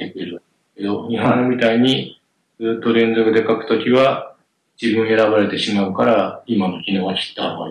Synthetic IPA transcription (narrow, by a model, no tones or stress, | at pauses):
ekɯeɾɯ | eke̞d̪o̞ɲʲiɦõmʲit̪aiɲ̟i | d͡zɨːt̪ːo̞ɾẽ̞nd͡zokɯ̟d̪e̞kakɯ̟̥t̪o̞kʲiβa | d͡ʑibɯ̟̃ɰ̃e̞ɾaβaɾe̞t̪e̞ɕimaɯ̟kaɾaimano̞kʲino̞ːɡakʲi̥t̪ːaa